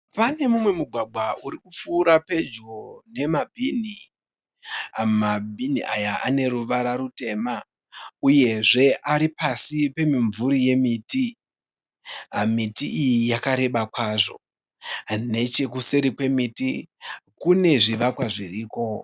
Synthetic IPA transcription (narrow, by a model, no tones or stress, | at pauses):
pane̞mumwe̞muɡʱwaɡ͡bʱwauɾikup͡fuːɾape̞d͡ʒune̞mabʱini | mabʱiniʔajaa̰ne̞ɾuʋaɾaɾute̞ma | uje̞ʐe̞ʔaɾipasipe̞miɱvuɾije̞miːti | mitiʔijijakaɾe̞ɓakwaʐo̞̰ | ne̞t͡ʃe̞kuseɾikwe̞mitikune̞ʐiʋakwaʐiriːko̞